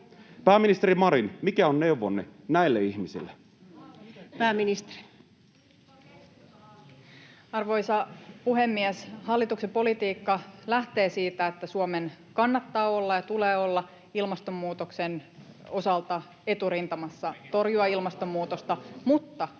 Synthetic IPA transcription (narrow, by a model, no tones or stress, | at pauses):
pæːminist̪eɾimɑɾinmikæonne̞uʋonːenæilːeiçmisḭlːe | pæːmːinist̪e̥ri̥ | ɑrʋo̞jsɑpuɦe̞mːieshɑlːit̪uksepo̞lit̪iːkːɑlæht̪e̞ːsiːt̪æet̪ːæsuomenkɑnːɑt̪ːɑːo̞lːɑjɑt̪ule̞ːo̞lːɑ | ilmɑst̪o̞mːuːt̪oksen | o̞sɑlt̪ɑ | e̞t̪uɾint̪ɑmɑsːɑt̪o̞rjuɑilmɑst̪o̞mːuːt̪o̞st̪ɑmut̪ːɑ